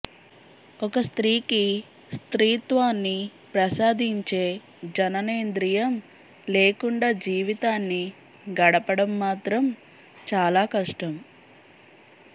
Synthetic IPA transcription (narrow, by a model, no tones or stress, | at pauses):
ɔkɐst̪ɾiːki | st̪ɾiːt̪ʋaːnːi | pɾɐsaːd̪ʱiɲt͡ʃe̞ː | d͡ʒɐnɐneːnd̪ɾijɐm | le̞ːkuɳɖaːd͡ʒiːʋit̪aːnːi | ɡɐɽɐpɐɽɐmːaːt̪ɾɐm | t͡ʃaːlaːkɐʂʈɐm